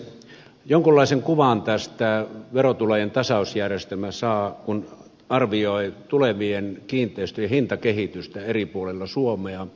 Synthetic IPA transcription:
joŋkulːɑˑiseŋkuʋɑnt̪æst̪æʋerot̪ulɑjent̪ɑsɑˑusjærjest̪elmæsɑːkun | ɑrʋioit̪uleʋienkiːnt̪ˑeˑist̪øjɑhint̪ɑkehit̪yst̪æeripuolelːɑsuomeɑ

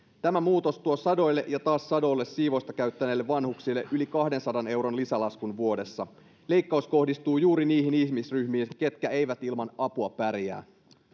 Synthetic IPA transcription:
t̪æmæmuːt̪o̞st̪uosɑdo̞jlːe̞ʔjɑt̪ɑːssɑdo̞ːlːesːiːʋo̞st̪ɑkæɥt̪ːæneːlːe̞ʋːɑnhuksilːe̞ʔylikɑhde̞nsɑdɑne̞wɾo̞nlisælɑskunʋuo̞de̞sːɑ | le̞jkːɑusko̞hdist̪uːjuːɾiniːɦiniçmisryçmiːnke̞t̪k̟æe̞jʋæt̪ilmɑnɑpuɑpæɾjæ̰ː

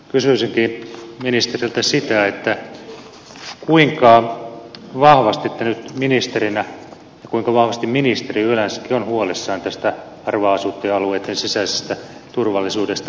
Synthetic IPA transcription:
kysyisiŋkiminist̪erilt̪æsit̪æet̪ːæ | kuiŋkɑ | ʋɑhʋɑst̪it̪ːænyt̪minist̪erinæ | jɑkuiŋkɑʋɑhʋɑst̪imminist̪eriyølænsæ̥kːionhuolesːɑːnt̪æst̪æ | ɑrʋɑːsut̪ːeɑlueːt̪ːensisæsest̪æt̪urʋɑlːisuːdest̪ɑ

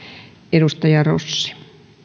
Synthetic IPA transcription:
eɾust̪ɑjɑro̰sːi̥

